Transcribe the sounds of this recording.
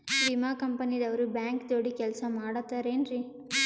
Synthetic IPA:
ʋimaːkɐmpɐnid̪ɐʋɐɾɯbaːŋkd̪oːɽikɛlsɐmaːɽɐt̪ːaːɾeːnɾi

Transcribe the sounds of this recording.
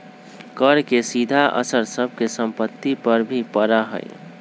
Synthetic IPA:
kəɾkesid̪ʱaʔə̰səɾsəb̚ʱkesə̃mpət̪ːipəɾbʱipəɾaɦə̰j̰

